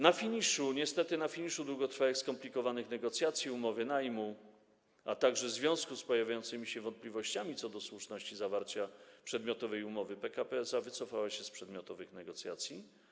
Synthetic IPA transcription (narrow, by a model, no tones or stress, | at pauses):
nafʲiɲiʂuɲɛst̪ɛt̪ɘnafʲiɲiʂud̪wuɡɔt̪ɾfaɛxskɔmplʲikɔvanɘxnɛɡɔt̪sʲjat̪sʲjiumɔvɘnajmu | at̪aɡʐɛzvʲjɔ̃w̃skuspɔjavʲjajɔnt̪sɘmʲiɕɛvɔnt̪̚plʲivɔɕt͡ɕamʲit̪sɔd̪ɔswuʂnɔɕt͡ɕizavaɾt͡ɕapʂɛd̪mʲjɔt̪ɔvɛjumɔvɘpɛkapɛzavɘt̪sɔfawaɕɛspʂɛd̪mʲjɔt̪ɔvɘxnɛɡɔt̪sʲja̰t̪sʲji